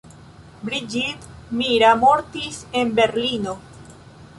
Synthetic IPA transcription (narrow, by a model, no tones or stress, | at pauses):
bɾid͡ʒidmiɾamo̞ɾtise̞nbe̞ɾlino̞